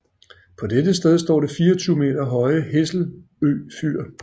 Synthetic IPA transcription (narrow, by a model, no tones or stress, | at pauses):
pʰɒ̽d̥edəsd̥eð̞ˠsd̥ɒ̰ːɾe̝fiːɐɒt͡sʰyːʊme̝̰ːdɐɦɒ̽ɪəɦe̝sl̩ | ø̰ːfy̰ɐ̰